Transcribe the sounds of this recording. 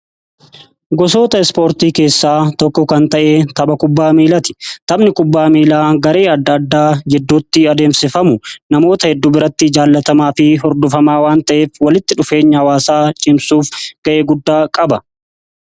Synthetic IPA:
ɡɔs̬o̞ːt̪ɐɛspo̞ːɾt̪iːke̞ːsːaːt̪ɔkːɔkɐnt̪ɐʔeːt̪ɐbɐkʊbːaːmiːlɐt̪ɪ̥t̪ɐmnɪkʊbːaːmiːlaːɡɐɾe̞ːɐd̪ːɐd̪ːaːd͡ʒɛd̪ːuːt̪ːɪɐd̪e̞ːmsɪfɐmʊnɐmo̞ːt̪ɐhɛd̪ːuːbɪɾɐt̪ːɪd͡ʒaːlːɐt̪ɐmaːfɪɦɔɾd̪ʊfɐmaːwaːnt̪ɐʔe̞ːfwɐlɪt̪ːɪᶑʊfe̞ːɲːɐhɐwaːsaːt͡ʃʼɪmsuːfɡ̥ɐʔe̞ːɡʊd̪ːaːkʼɐbɐ

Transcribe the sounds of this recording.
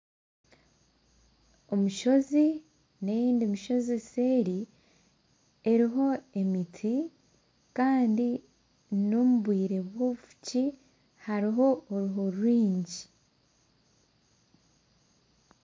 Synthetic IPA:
o̞muʃo̞zi | ne̞jiːndimiʃo̞ziseːɾi | eɾiɦo̞e̞mitʰi | kaːndi | nomuβwiːɾe̞βwoufu̥ci | haɾiɦo̞ːɾuɦo̞ɾuɾiːɲɟi

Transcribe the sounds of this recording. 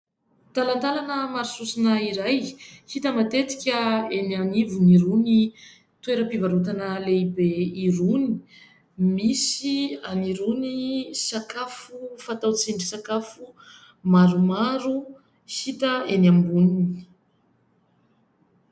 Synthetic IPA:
t̪alant̪alanəmaɾususinaiɾajhit̪əmat̪et̪i̥kʲəenanivuniɾuni | t̪ueɾəpivaɾut̪anəleibeiɾuni̥ | misianiɾunisakafufat̪awt͡siɳɖ͡ʐisakafu | maɾumaɾu | hit̪əeniambunini

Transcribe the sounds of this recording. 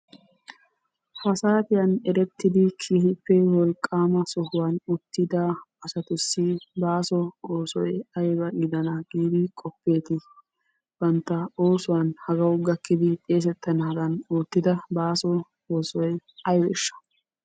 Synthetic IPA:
fɐsaːt̪ɪjɐnɛɾɛt̪ːɪd̪ɪkʰiːhɪpːɛwɔlkʼːaːmɐsɔhʊwɐnʊt̪ːɪd̪ɐːsɐt̪ʊsːɪbaːsɔoːsɔjɐjbɐɡɪd̪ɐnɐɡiːd̪ɪkʼɔpːe̞ːt̪ɪ | b̥ɐnt̪ːɐoːsʊwɐnhɐɡɐwɡɐkːɪd̪ɪt̪ʼe̞ːs̬ɛt̪ːɐnɐɐd̪ɐnoːt̪ːɪd̪ɐbaːsɔ | oːsɔjɐjbɛʃːɐ̥

